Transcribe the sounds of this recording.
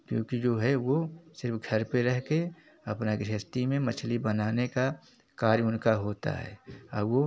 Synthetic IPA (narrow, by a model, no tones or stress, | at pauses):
kjõ̰ːkid͡ʒoːɦɛwosɪɾpʰɡʱəɾpeɾɛɦke | ɐpnaɡɾəst̪imẽmət͡ʃʰlibənaːneka | kaːɾjʊnkaɦoːt̪a̰ɦɛ̰ːɔːɾwo